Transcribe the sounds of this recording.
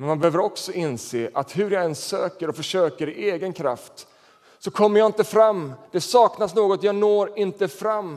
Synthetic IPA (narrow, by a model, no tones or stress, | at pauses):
mɛnmanbɛhøːvəɾɔksɔʔɪnseːʔat̪hɵɾjaɛnsːøːkəɾɔfœʂøːkəɾɪʔeːɡənkʰɾa̰ft̪ | sɔkʰɔmːəɾjaːɪnt̪əfɾamːd̪̥ɛsɑːknasnoːɡɔt̪jɑːɡnoːɾɪnt̪əfɾamː